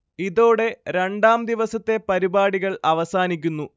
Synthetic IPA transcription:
iðo̞ːɽe̞ɾe̞ɳɖaːmd̪iʋɐsɐt̪ːe̞pɐɾibaːɽiɣɐɭɐʋɐsaːnik̬ʲːunːu

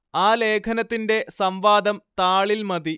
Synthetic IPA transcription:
aːle̞ːkʰɐnɐt̪ːinde̞sɐmʋaːd̪ɐmt̪aːɭilmɐði

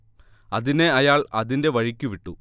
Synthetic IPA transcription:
ɐðine̞ɐjaːɭɐ̰ðinde̞ʋɐɻikʲːuʋiʈːu

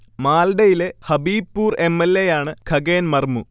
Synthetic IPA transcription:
maːlɖɐjile̞hɐbiːpːuːre̞mːelːejaːɳɨkʰɐɡeːnmɐrmu

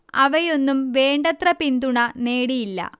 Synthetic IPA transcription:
ɐʋɐjo̞nːumʋe̞ːɳɖɐt̪rɐpind̪uɳɐne̞ːɽijilːɐ̰

